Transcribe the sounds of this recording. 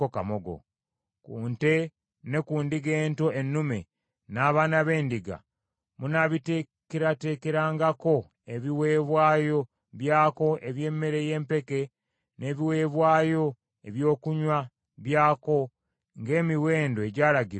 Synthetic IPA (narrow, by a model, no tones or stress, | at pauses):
okamoɡo̰ | kuːnte̞ | ne̞kuːndiɡe̞ːnto̞ʔenːume̞ | naːβaːnaβe̞ːndiɡa̰ | munaβite | keɾate̞ːke̞ɾaːŋɡako̞ | eβiwe̞ːβwaːjo̞ | βjaːko̞ʔe̞βje̞ːmːe̞ɾe̞je̞ːmpe̞ke̞ | ne̞βiwe̞ːβwaːjo̞ | e̞βjo̞ːkuɲwa | βjaːko̞ | ŋɡe̞ːmiwe̞ːndoeɟaːɾaɡiɾ